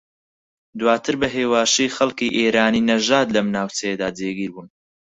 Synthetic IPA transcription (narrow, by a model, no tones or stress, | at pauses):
d̪waːt̪ʰɨɾbɐɦeːwaːʃijxɐlkiʔeːɾaːniːnɐʒaːd̪lɐmnaːwt͡sɐjed̪aːd͡zeːɡiːɾbuːn